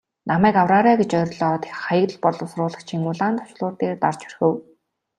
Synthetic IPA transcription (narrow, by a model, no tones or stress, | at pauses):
namæːkawraːɾaːɡet͡ɕœɾʲɮɔːt̪ʰe̥χajə̆kt̪ə̆ɮpɔɮʊ̆wsrʊːɮə̆χt͡ɕʰiŋuɮaːnt̪ʰɔ̥ʃɮʊːt̪eːrt̪art͡ɕɵ̥rxɘ̆w